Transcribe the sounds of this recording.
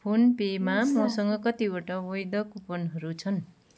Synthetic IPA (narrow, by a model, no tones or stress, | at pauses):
pʰunpemamʌsʌŋɡʌkʌt̪ibaʈʌwʌjd̪ʌkupʌnɦʌɾut͡sʰʌn